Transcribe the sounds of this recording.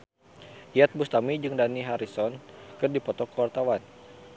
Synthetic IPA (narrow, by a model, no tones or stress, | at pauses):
ijat̪̚bust̪amid͡ʒɨŋdaniɦaɾisɔnkɨrdipɔt̪ɔkəwart̪awan